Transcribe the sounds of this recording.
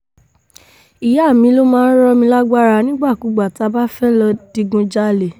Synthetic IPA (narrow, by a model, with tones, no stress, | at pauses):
i˨ja˦˨mĩ˧˦lo˦mãː˦n̩˦ɾɔ˦mĩ˧la˦ɡ͡ba˦ɾa˧nĩ˦ɡ͡ba˦˨ku˨˦ɡ͡ba˨ta˧ba˦fɛ˦lɔ˧d̥i˧ɡũ˧d͡ʒa˦˨le˨